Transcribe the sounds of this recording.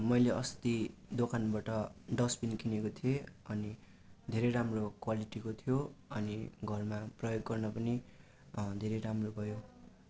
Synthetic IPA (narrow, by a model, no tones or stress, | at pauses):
mʌjleʔʌst̪id̪okanbaʈʌɖʌspinkʰinekot̪ʰieʌni | d̪ʱeɾʌjɾamrokwaliʈikot̪ʰijoʌniɡʱʌrmaprʌjoɡːʌrnʌpʌni | d̪ʱeɾʌjɾamrobʱʌjo